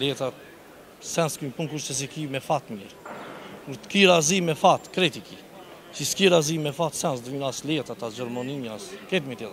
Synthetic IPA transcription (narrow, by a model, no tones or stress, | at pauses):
lɛt̪at̪̚ | sɛnskympunkuɾʃt͡ʃɛs̬ikimɛfat̪mjɛɾkuɾt̪kiɾazimɛfat̪kɾɛt̪iki | siskiɾazimɛfat̪sɛnsd̪vinaslɛt̪at̪azɔɾmɔniaskɛt̪̬mit̪ɛa